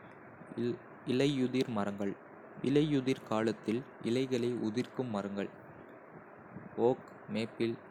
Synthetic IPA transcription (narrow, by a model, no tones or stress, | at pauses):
ɪlɐɪʊðɪɾmɐrɐŋɡɐɭ | ʔɪ̰lɐɪʊðɪɾkaːlɐt̪ːɪlʔɪ̰lɐɪɣɐɭɐɪʔʊðɪrkɯmːɐrɐŋɡɐɭ | oːk | meːpːɪl